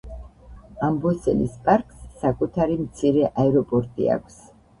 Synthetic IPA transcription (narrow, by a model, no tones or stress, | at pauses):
ambɔsɛlḭspʼaɾkʼsːakʼut̪ʰaɾimt̪sʰiɾɛʔaɛɾɔpʼɔɾt̪ʼḭa̰kʷʰs